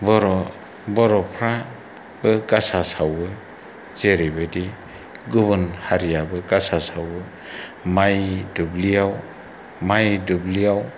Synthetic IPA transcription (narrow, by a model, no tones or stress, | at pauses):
bɔɾɔ | bɔɾɔpʰɾa | b̥ɯɡasasawbɯ | zeɾibedi | ɡuβɯnhaɾijabɯɡasasawbɯ | majdublijaw | majdublijaw